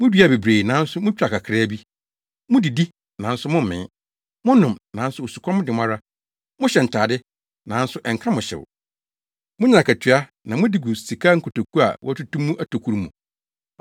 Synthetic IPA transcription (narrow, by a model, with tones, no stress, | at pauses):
mʊ̃˦dɥa˨be˨bɾeː˨nã˨˦n̩˦sʊ˦mʊ̃˦t͡ɕᶣa˨kʰa˨kʰɾɛ˦bi˦ | mʊ̃˦di˨di˦ | nã˨n̩˦sʊ˦mʊ̃˦m˨mɪ̰̃˨˦ | mʊ̃˦nʊ̃˨mnã˨˦n˦sʊ˦o˨su˨kʰɔ̃˦mʊ̃˦dɪ˨mã˦ɾa˦ | mʊ̃˦ɕɛ˨n̩˨tʰaː˨dɪ˦ | nã˨˦n̩˦sʊ˦ʔɛ˨ŋ̩˨kʰã˦mʊ̃˨ɕɛ̰˨w̰ | mʊ̃˦ɲɪ̃˦˨a˨kʰa˨tʰɥa˦ | nã˨mʊ̃˦di˨ɡu˨si˨kʰa˦ŋ̩˦kʰʊ˨to˨kʰu˦a̰˨wɔ̰˦æ˦tu˦tũ˦mːũ˦ʔæ˦tʰo˨kʰu˦ɾmṵ̃˨